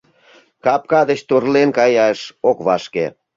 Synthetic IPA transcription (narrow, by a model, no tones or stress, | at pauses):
kɑp̚kɑd̪ə̆t͡ɕt̪urlenkɑjɑʃokβɑʃke